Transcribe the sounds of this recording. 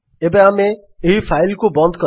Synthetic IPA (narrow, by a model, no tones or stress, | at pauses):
ebẽamẽ | eɦifʰaɪlkubɔ̃nd̪kɔ